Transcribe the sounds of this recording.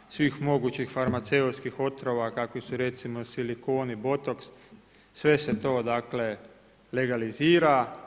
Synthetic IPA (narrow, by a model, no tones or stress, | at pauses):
sʋiːxmo̞ɡut͡ʃixfaɾmat̪se̞ut̪skixo̞t̪ɾoʋakakʋisuɾe̞t̪simosiliko̞ːnibo̞t̪oks | sʋe̞se̞t̪o̞ːd̪akle̞ | le̞ɡaliziːɾa